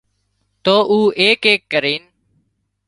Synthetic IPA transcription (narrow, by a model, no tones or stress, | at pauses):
t̪oːʔuːʔeːkeːkːəɾiːn